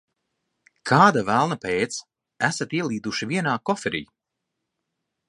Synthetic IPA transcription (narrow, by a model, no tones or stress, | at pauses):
kʰaːd̪avælˠnapeːt̪s | æsat̪iɛlˠiːd̪uʃiviɛnaːkɔfɛɾḭː